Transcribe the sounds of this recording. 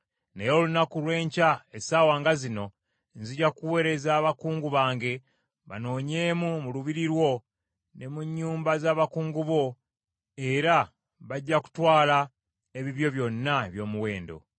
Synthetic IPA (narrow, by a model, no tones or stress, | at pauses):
nejo̞lunakulwe̞ːɲcaesaːwaːŋɡazino̞ | nziɟakuwe̞ɾe̞zaːβakuːŋɡuβaːŋɡe̞ | βa̰no̞ːɲe̞ːmumuluβiɾiɾwo̞ | ne̞muɲːuːmbazaːβakuːŋɡuβo̞ | e̞ɾa | βaɟːaku̥twaːla | eβiβjo̞βjo̞nːaβjo̞ːmuwe̞ːndo̞̰